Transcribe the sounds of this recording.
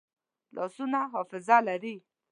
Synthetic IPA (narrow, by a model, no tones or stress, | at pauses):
lʔɔ̰sunãɦɔfɪzalɛɖi